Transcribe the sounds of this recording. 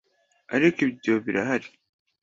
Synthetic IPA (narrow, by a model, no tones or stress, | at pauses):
aɾikiβidoβiɾaɦaɾi